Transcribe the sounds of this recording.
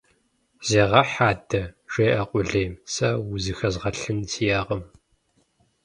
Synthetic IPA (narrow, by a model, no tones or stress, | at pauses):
z̥eːʁɐħaːdɐʒ̥eːʔɐqʷʼʊɮeːmsɐwʊzɨxɐzʁɐɬɨnsʰijaːʁəm